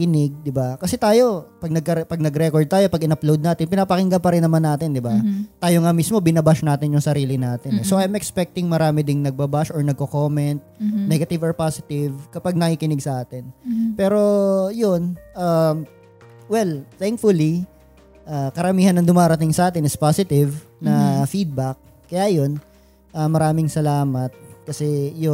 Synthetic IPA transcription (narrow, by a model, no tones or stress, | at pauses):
kɪnɪɡ̚d̪ɪbakɐsɛt̪aːjo̞pɐɡ̚nɐɡ̚kɐɾɛpɐɡ̚nɐɡɾɛkoɹd̪̚t̪aːjo̞pɐɡɪnɐplowd̪naːt̪ɪnpɪnapɐkɪŋɡɐmpɐɾɪnːɐmanːaːt̪ɪnd̪ɪbat̪aːjo̞ŋamismo̞bɪnɐbaʃnaːt̪ɪnjʊŋsɐɾiːlɪnaːt̪ɪnɛsoʔajmɛkspɛk̚t̪ɪŋmɐɾaːmɪd̪ɪŋnɐɡ̚bɐbaʃɔɹnɐɡ̚kokoːmɛnt̪̚nɛɡɐt̪ɪvɐɹpaːsɪt̪ɪvkɐpaɡ̚nɐŋkikɪnɪɡ̚sɐʔaːt̪ɪnpɛːɾo̞jonʔam | wɛlθɛŋk̚fʊli | ʔaːkɐɾɐmiːhɐnːɐŋd̪ʊmaːɾɐt̪ɪŋsɐʔaːt̪ɪnɪspaːsɪt̪ɪvnɐfid̪̚bɐk̚ | kːɐjajo̞n | ʔaːmɐɾaːmɪŋsɐlaːmɐt̪̚kɐsɛjo